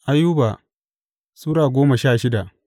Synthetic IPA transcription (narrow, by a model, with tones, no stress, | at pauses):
ʔa˦jːuː˦ba˨ | suː˦ɾaː˨ɡʷoː˦mɐ˨ʃaː˦˨ʃɪ˦da˨ʔ